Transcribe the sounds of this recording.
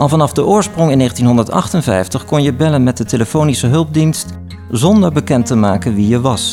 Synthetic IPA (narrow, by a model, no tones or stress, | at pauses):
ʔɑlˠvɑnɑfdəʔʊːɹsprɔŋɪnːeːχəntinɦɔndəɹtɑ̰χtənvɛ̰jftəχkɔnjəbɛlənmɛt̚dəteləfownisəɦɵlˠb̚dinst | zɔndəɹbəkɛntəmaːkənʋijəʋɑs